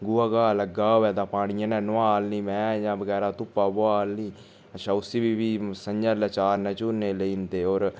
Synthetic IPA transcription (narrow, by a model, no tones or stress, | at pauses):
ɡʊaːɡaːləɡaːoɛːd̪ãːpaːɽ̃ɪjãːnɛ̃ːnʊaːlnĩːmɛ̃ːjãːʋəɡɛːɾaːt̪ʊpːaːboaːlniː | əʃʰãːʊsiːbiːʋiːsəɲd͡ʒaːlət͡ʃaːɾnɛ̃ːt͡ʃʊneːləiːnd̪eːɔːɾ